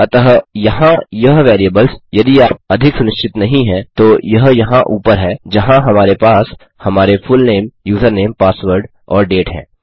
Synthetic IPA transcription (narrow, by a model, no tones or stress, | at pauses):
ɐt̪əɦjɐɦãjɐɦʋɛːɾiəbəlsjɐd̪iaːp̚ɐd̪ʱɪksʊnɪʃt͡ʃɪt̪nɐɦĩɦɛ̃t̪ojɐɦjɐɦãʔuːpəɾɦɛd͡ʒɐɦãɦɐmaːɾepaːs | hɐmaːɾefʊlneːmjuːt̪ʰəɾneːmpaːsʋəɾɖ | ɔːɾɖeːʈɦɛ̰̃ː